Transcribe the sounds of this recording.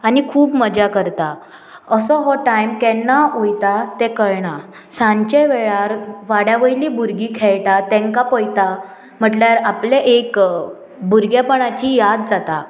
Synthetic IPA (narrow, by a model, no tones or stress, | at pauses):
anikʰuːpməd͡ʑakəɾt̪a | əsɔɦɔʈajmkɛ̃nːaojt̪at̪ẽkəɾɳa | sãɲt͡ɕeʋeɭaɾʋaɽjaʋəjlibuɾɡikʰɛɭʈat̪ɛ̃ŋkapɔjt̪a | m̤əʈljaɾapleʔek | buɾɡjapəɳat͡ɕijad̪̚d͡zat̪a̰